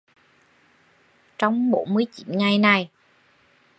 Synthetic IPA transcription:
t͡ɕɔ˧wŋ͡mɓo˧˥˦nmɨ˧əjt͡ɕḭ˧˨˩nŋa˧˩jna˨˩j

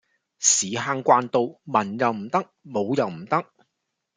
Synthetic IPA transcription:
siː˨ɦaː˧ŋkʷwaː˧nt̪o˨˧wmɐ˨˩njɐ˨wm̩˨˩t̪ɐ˥k̚mo˨˧wjɐ˨wm̩˨˩t̪ɐ˥k̚

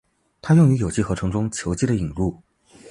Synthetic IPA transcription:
t̪ʰa˥jʊ˥˩ŋy˧˥jo˨˩ʊt͡ɕʰi˥˩xɤ˧˥ʈ͡ʂʰɤ˧˥ŋʈ͡ʂʊ˥ŋt͡ɕʰjo˧˥t͡ɕi˥˩d̪ə˨i˨˩ŋlu˥˩

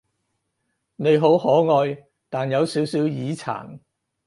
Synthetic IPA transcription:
ne˨˧jɦo˨˥whɔː˨˥ŋɔː˧j | t̪aː˨njɐ˨˧wsi˨˥wsiː˨˥wjiː˨˥t͡sʰa̰ː˨˩n

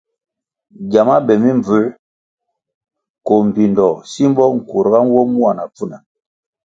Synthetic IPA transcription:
ɟa˨ma˦bɛ˨mi˦mb͡vʉ˨˦ | ko˨m̩˨pi˨ndɔ˨si˦m˦bɔ˦ŋ̩˨ku˨ɾɡa˦n˦wɔ˦mu˦a˨na˨pu˦˨na˨

